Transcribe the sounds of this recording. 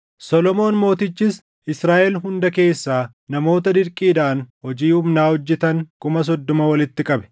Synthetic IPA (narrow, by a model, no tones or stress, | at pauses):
sɔlɔmo̞ːnmo̞ːt̪ɪt͡ʃːɪs | ʔɪsɾaːʔɛlɦʊnd̪ɐke̞ːsːaː | nɐmo̞ːt̪ɐd̪ɪɾkʼiːd̪ɐʔɐnhɔd͡ʒiːhʊmnaːhɔd͡ʒːɛt̪ɐŋkʊmɐs̬ɔd̪ːɔmɐwɐlɪt̪ːɪkʼɐbɛ̥